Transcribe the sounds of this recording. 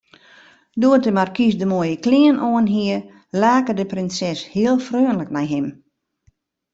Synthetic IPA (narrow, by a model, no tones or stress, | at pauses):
doətəmarkisdəmoəjəklɪənʔoənɦiər | laːkədəprɪnsɛshiəlˠfrøːənləknɛjɦɪm